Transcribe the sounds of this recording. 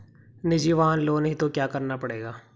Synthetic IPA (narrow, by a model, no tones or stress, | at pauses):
nɪd͡ʒiʋaɦãnloːnɦit̪okjaːkɐɾnapɐɽeːɡaː